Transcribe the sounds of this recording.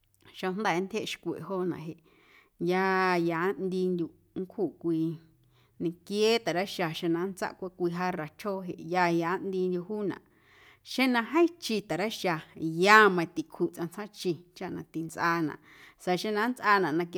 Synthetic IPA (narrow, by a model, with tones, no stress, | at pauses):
ʃa˧n̥d̪aː˦˨˦nt̪ʰʲe˦ʔʃkʷḛ˨ɦo˦nã̰˨ɦe˨ʔ | jaː˧jaː˨˦nd̪i˧nd̪ʲju˧ | ŋ˦kʰu˦˨kʷiː˧ | nĩ˧kje˦t̪a˨ɾa˦ʃa˧ʃẽ˧nã˧˦nt͡sa̰˦ʔkʷa˦kʷi˧ɦa˦ra˨t͡ʃʰoː˦ɦḛ˧ʔjaː˧ja˨˦nd̪i˧nd̪ʲju˧huː˦nã̰˨ʔ | ʃẽ˦nã˧ɦẽ˦t͡ʃi˧t̪a˨ɾa˦ʃa˧jaː˦˧˦mã˧t̪i˨kʰu˦˨t͡sʔã˧t͡sʰã˦t͡ʃi˧t͡ʃa˦ʔnã˧t̪i˨nt͡sʔaː˧nã̰˨ʔ | sa˧ʃẽ˦˧nã˧˦nt͡sʔa˧nã˨nã˧k